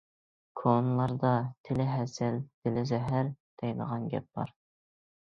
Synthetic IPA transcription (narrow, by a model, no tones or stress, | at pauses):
kʰonlˠɑɾd̪ɑt̪ʰɪlɪɦɛsɪlt̪ʰɪlɪzɛɦæɾd̪̥ʰɛjnə̰ʁɑnɡʲɛ̰p̚b̥ɑ̰ɾ